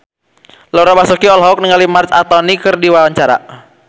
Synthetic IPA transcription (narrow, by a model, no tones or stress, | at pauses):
lɔɾabasukiɔlɦɔk̚niŋalimart͡ʃat̪ɔnikɨrdiwawaɲt͡ʃaɾa̰